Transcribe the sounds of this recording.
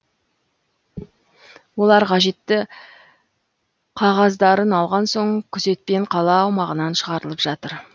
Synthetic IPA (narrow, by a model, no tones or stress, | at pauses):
wo̞lˠɑɾqʰɑʒe̞t̪ːɪ | qʰɑʁɑzd̪ɑɾənɑlˠʁɑnso̞ɴkʲʰʏze̞t̪̚pe̞ɴqʰɑlˠɑːwmɑʁənɑnʃəʁɑɾəlˠəpʒ̥ɑt̪əɾ